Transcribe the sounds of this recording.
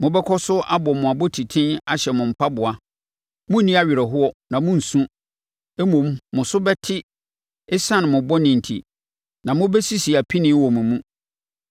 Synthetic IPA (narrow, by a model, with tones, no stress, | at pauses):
mʊ̃˦bɛ˦kʰɔ˦sʊ˦a˦bɔ˨mʊ̃˨a˨bɔ˦tʰi˨tʰɪ̃˦na˨ɕɛ˨mʊ̃˨m̩˨pʰa˦bʊ˨a˨ | mʊ̃˦nĩ˦a˦ɥɪ˨ɾɛ˨ɦʊ˦ɔ˨nã˨mʊ̃˦n̩˨sũ˦ | e˦mõ˨mːʊ̃˨sʊ˦bɛ˦tʰɪ˦ | ɛ˦sã˦ñ˨mʊ̃˨bɔ˦nɪ̃˨n̩˨tʰḭ˨ | nã˨mʊ̃˦bɛ˦si˦si˨a˨pʰi˦nɪ̃˦wɔ˨mũ˨mũ˦